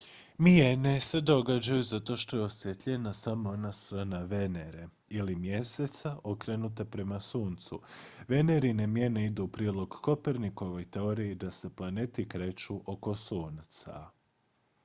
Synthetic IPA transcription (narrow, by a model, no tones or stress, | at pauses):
miene̞se̞d̪o̞ɡad͡ʑajuzat̪o̞ʃt̪o̞jeosjet̪ʎʲenasamoonast̪ɾaːnaʋe̞ne̞ɾe | ilimje̞se̞t̪saʔokɾenut̪e̞pɾe̞masuːnt̪sṵʋe̞ne̞ɾine̞mje̞ne̞id̪upɾiːlo̞ɡko̞peɾniko̞ʋo̞jt̪eoɾiːd̪ase̞plˠane̞t̪ikɾe̞t͡ʃuʔo̞ko̞suːnt̪sa̰